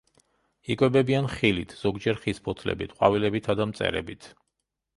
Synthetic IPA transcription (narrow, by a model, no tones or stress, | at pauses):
ikʼwɛbɛbianχilit̪ʰz̥ɔɡd͡ʒɛɾχispʰɔt̪ʰlɛ̰bit̪ʰqʼwavilɛbit̪ʰad̪amt̪sʼɛ̰ɾɛ̰bit̪ʰ